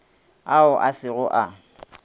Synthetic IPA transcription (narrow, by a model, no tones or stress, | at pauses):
aʊʔasɪɣʊʔa